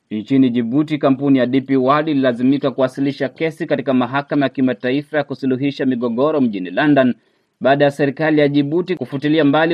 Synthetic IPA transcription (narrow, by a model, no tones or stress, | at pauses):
nt͡ʃiniʄiɓutikam̩punijaɗipiwaɗililazimikakuwasiliʃakɛsikatikamaɦakamajakimataifajakusuluɦiʃamiɠɔɠɔɾɔm̩ʄinilandan | ɓaːɗajasɛɾikalijaʄiɓutikufutiliambali